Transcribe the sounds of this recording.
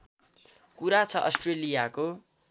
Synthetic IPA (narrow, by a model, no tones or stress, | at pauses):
kuɾat͡sʰʌʔʌsʈrelijako